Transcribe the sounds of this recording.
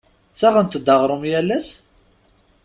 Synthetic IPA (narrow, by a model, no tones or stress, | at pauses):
t͡sæʁənt̪əd̪ːɑʁɾˤəmjælːæs